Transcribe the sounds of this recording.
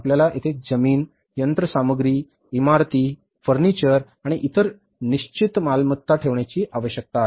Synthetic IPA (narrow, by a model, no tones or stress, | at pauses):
apljalaʔit̪ʰed͡zəmiːn | jənt̪ɾəsaməɡɾiː | imaɾt̪iː | fəɾnit͡ɕəɾ | aɽ̃iʔit̪əɾ | niɕt͡ɕit̪malmət̪ːaʈʰeʋɳjat͡ɕiːʔaʋəɕjək̚t̪at̪